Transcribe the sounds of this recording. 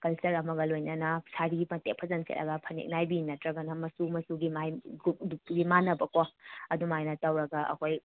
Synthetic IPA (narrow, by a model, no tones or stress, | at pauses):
kɐlsɐɾɐmɐɡɐlojnɐnɐsaɾiɡipɐntek̚pʰɐzɐnsʰḛtɐ̰ɡɐpʰɐnḭk̚najbinɐtɾɐɡɐnɐmɐsumɐsuɡimajɡuuɡimanɐbɐkoɐdumajnɐtɐwɾɐɡɐʔɐ̰kʰoj